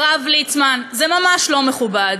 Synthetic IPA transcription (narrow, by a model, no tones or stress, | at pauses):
ʁavlit͡smanzemamaʃlo̞meχubad